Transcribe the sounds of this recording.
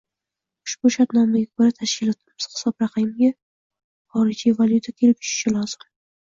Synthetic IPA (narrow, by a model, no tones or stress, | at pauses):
ʊ̥ʃb̥ʊʃat̪nɒmaɡʲakʰoɾat̪ʰaʃkʲɪlɒt̪ʰɪmɪz̥hɪ̥sɒpɾaqʰɑjɪmɡʲa | χɒɾɪd͡ʒivaljut̪ʰakʲʰe̞lɪp̚t͡ʃʰʊ̥ʃɪ̥ʃɪlɒz̥ɪm